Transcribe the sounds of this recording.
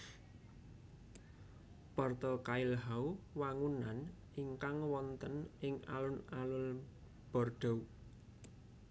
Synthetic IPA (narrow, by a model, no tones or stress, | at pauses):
pɔrt̪ɔkaɪlɦauwaŋunan | iŋkaŋwɔnt̪ənɪŋa̰lʊnalʊl | b̥ɔ̤rɖ̥ɔ̤w